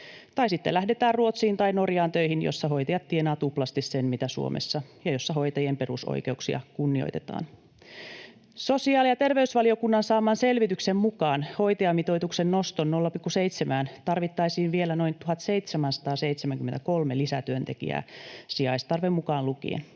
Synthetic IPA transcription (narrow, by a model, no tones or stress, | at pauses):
t̪ɑisit̪ːelæhde̞t̪æːrruot̪siːnt̪ɑino̞rjɑːnt̪øihinjo̰sːɑɦo̞jt̪ɑjɑt̪t̪ːienɑːt̪uplɑst̪issenmit̪æsṵo̰mḛsːɑjɑjo̞sːɑɦojt̪ɑjempe̞ruso̰jke̞uksiɑ̰kunːio̰jt̪ḛt̪ɑ̰ːn | so̞siɑːljɑt̪e̞rʋeysʋɑlio̞kunːɑnsɑːmɑːnselʋit̪yksemmukɑːnho̞jt̪eɑmit̪o̞jt̪uksennost̪onno̞lːɑpikːuseit̪semæːnt̪ɑrʋit̪ːɑjsiːnʋie̞læno̞jnt̪uɦɑt̪se̞jt̪semænsɑ̥t̪ɑːseit̪semæŋkyment̪ækolmelisæt̪yønt̪ekḭæ̰ːsiɑist̪ɑrʋemukɑːnlukḭḛn